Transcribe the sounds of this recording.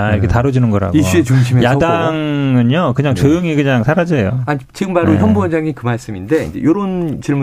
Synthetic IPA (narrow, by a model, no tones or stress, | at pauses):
aiɾʌkʰetaɾod͡ʑinɯnɡʌɾɦa̰ɡiɕ͈ʰiet͡ɕuŋɕʰimejaʌdaŋɯɲokɯɲaŋt͡ɕʌjɯŋikɯɲaŋsʰaɾad͡ʑʌejo̰ait͡ɕiɡɯmpaɾojʌnbuʌnd͡ʑaŋikɯmaɭs͈ɯminde̞ḭnd͡ʑe̞̰joɾont͡ɕiɭmu